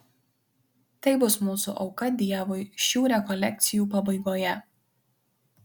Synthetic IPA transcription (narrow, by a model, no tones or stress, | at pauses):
t̪ɐɪbʊsmuːsṵʔɒʊkɐd̪ʲiɛʋʊɪʃʲuːɾʲɛkɔlʲɛk̚ʲt̪sʲɪjuːpɐbɐɪɡoːjɛ